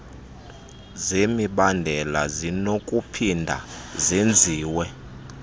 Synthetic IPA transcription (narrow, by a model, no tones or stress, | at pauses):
zemiɓandʱɛla̰zinokʼupʰindʱa̰zend͡zʱiːwɛ